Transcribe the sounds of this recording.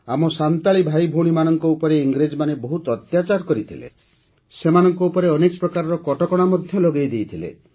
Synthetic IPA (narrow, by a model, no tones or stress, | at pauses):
amɔsant̪aɭibʱajbʱoɽ̃imanɔŋkɔupɔɾeiŋɡɾed͡ʒmanebɔɦut̪ɔt̪jat͡ʃaɾkɔɾit̪ʰilḛ | semanɔŋkɔupɔɾeɔnekɔpɾɔkaɾɔɾɔkɔʈɔkɔɽ̃amɔd̪ʱjɔlɔɡejd̪ejt̪ʰilḛ